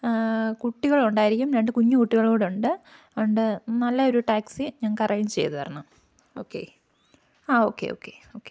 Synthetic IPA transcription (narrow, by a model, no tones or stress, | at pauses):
kuʈːiɣɐɭuɳɖaːjiɾikʲːumɾeɳɖɨkuɲːukuʈːiɣɐɭoːɽeuɳɖɨ | uɳɖɨnɐlːɐo̞ɾuʈaːksiɲaːnkɐrɐjɐmt͡ɕe̞jt̪ɨpɐrɐnːɐm | oːkːḛ | aːo̞ːkːḛo̰ːkːḛoːkːe